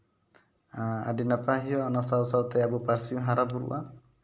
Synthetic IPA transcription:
aa̰ɖinəpaɦijɔanɔsawsat̪ɛjabupaɾsiũɦaɾabuɾṵʔa

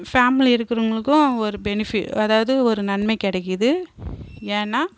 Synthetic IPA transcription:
faːmɪliɪɾɯkːɪɾɯŋɡɐɭɯkːʊ̃ɔɾɯbɛnɪfɪʈɐðaːʋɐðɯɔɾɯnɐnmɐɪkɪɽɛkːɪðɯ | eːnːaː

